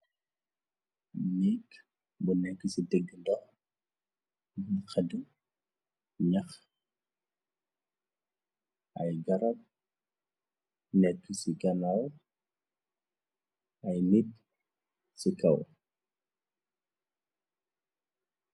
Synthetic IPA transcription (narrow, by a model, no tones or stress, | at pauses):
bunɛkː | bunɛkːəsidɛɡːəndɔx | bxɐdu | ɲɐx | ʔɐjɡɐɾɐb̚ | nɛkːəsiɡɐnɐw | ɐjmid̚ | sikɐw